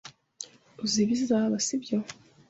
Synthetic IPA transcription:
uziβizaβasibjo

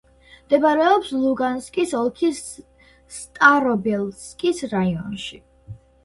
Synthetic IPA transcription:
md̪ɛbaɾɛɔpslˠuɡanskʼisɔlˠkʰis | st̪ʼaɾɔbɛlˠskʼisɾaiɔ̰nʃi

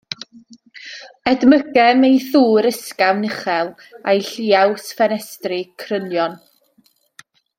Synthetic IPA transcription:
ɛdməɡɛmejθuːɾəskawnɪχɛlˠ | ajɬiːawsfɛnɛstrɪkʰrənjɔn

